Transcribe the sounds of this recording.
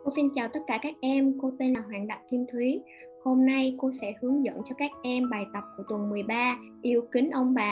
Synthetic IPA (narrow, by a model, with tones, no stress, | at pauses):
ko˧si˧nt͡ɕaː˨˩wt̪ə˦˥t̚kaː˧˩kaː˦˥k̚ʔɛ˧mko˧t̪e˧nlaː˨˩ɦwa̰ː˨˩nɗə̰˧˨wŋ͡mk̪i˧mt̪ʰwi˨˦ | ho˧mna˧jko˧sɛ̰˧˥hɨ˨˦əŋzə̰˧˨nt͡ɕɔ˧kaː˦˥k̚ʔɛ˧mɓaː˨˩jt̪ə˨˩p̚ku˧˩ət̪wə˨˩nmɨ˨˩əjɓaː˧ | ʔi˧əwkï˨˦ŋ̟ʔə˧wŋ͡mɓaː˨˩